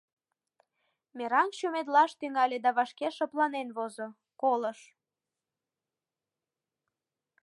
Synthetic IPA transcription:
meɾɑŋʃumed̪lɑʃt̪yŋɑlʲed̪ɑβɑʃkeʃɤplɑnenβozo | koləʃ

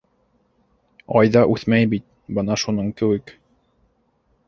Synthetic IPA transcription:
ɑjðɑʔʉθmæjbit̪̚ | bɤnɑʃunɤɴkɘ̆wɘk

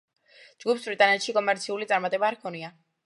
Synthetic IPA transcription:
d͡ʒɡupsbɾit̪ʼanɛt̪ʃikʼɔmɛɾt̪sʰiulit̪sʼaɾmat̪ʼɛbaːɾkʰɔnia

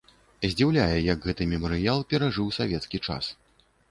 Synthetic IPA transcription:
zʲd͡zʲiwlʲajɛjɐɡɣɛt̪ɨmʲɛmɐɾɨjalˠpʲɛɾaʐɨwsavʲɛt̪skʲit͡ʂa̰s

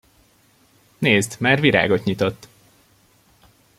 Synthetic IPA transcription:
neːzd̪maːrviɾa̰ːɡo̞t̪ɲit̪o̞t̪ː

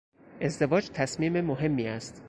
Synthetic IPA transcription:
ʔe̞zd̪e̞vɒːd͡ʒt̪ʰæsmiːmemoɦe̞mːiːæst̪

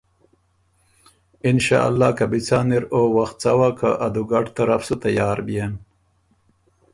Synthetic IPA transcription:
ɪnʃa̰ːa̰lːɑːkabit͡saːniɾowaxt̪̚t͡sawaka̰ʔad̪uɡaʈt̪aɾafsut̪ajɑːɾbijen

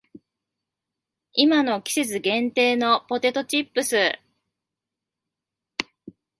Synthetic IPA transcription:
imano̞kʲi̥se̞t͡sɨɡẽ̞nt̪e̞ːno̞po̞t̪e̞t̪o̞t͡ɕipːɯ̟sɨ

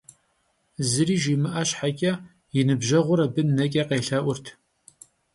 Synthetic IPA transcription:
zɨɾiːʒiːmɨʔɐɕħakʲʼɐ | jɪnɨbʒɐʁʷʊɾɐbɨnːɐkʲʼɐqeːɬɐʔʷʊrtʰ

